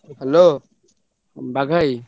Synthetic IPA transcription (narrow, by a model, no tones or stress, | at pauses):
hɛloː | baɡʱaj